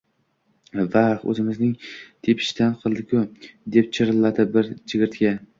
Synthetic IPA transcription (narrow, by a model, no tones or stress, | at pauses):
vaχɵ̰zɪmɪznɪŋt̪ʰepʰɪ̥ʃt̪anqʰɨlˠd̪ɪkʲʰʊd̪ep̚t͡ʃʰɪɾɨlˠːad̪ɪbɪɾt͡ʃʰɪɡʲɪɾt̪kʲa